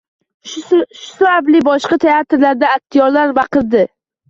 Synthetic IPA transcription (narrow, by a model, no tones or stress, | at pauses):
ʃʊ̥sʊablɪbɒʃqat̪ʰe̞at̪ɾlaɾd̪aːk̚t̪ʰijɒɾlaɾbɑqɨɾd̪ɪ